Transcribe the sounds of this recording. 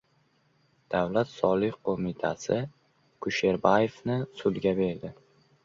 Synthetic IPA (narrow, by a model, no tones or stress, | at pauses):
d̪̥awlat̪sɒlˠɪhqʰomɪt̪ʰa̰sɪ | kʰʊʃe̞ɾbajefnɪsʊd̪ɡʲabe̞ɾd̪ɪ